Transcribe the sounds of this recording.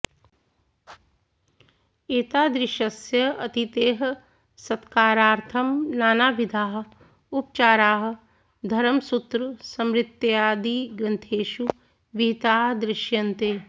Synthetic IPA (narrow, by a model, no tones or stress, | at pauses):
eːt̪aːd̪ɾɪʃɐsjɐɐt̪it̪eːɦ | sɐt̪kaːɾaːɾt̪ʰɐmnaːnaːʋid̪ʱaːɦ | up̚t͡ʃaːɾaːɦ | d̪ʱɐɾəmsut̪ɾsɐmɾɪt̪ːjjaːd̪iːɡɐnt̪ʰeːʃu | ʋit̪aːɦd̪ɾɪʃjɐnt̪eː